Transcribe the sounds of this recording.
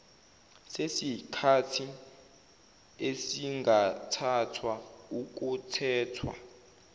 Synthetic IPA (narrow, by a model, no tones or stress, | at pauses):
sesikʰatʰi | esiŋɡʱatʰatʰwauk̬utʰɛːtʰwa̰